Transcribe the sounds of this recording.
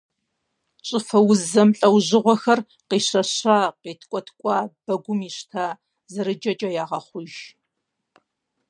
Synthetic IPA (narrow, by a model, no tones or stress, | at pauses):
t͡ʃʼɪfɐwʊzzɐmɬʼɐwʑɪʁʷɔxɐr | qiːɕɐɕaːqiːtʰkʷʼɔtʰkʷʼɑːb̥ɐɡʷʊmiːɕtʰaː | zɨɾɨd͡ʒʼɐt͡ʃʼɐjaːʁɐχʷʊʒ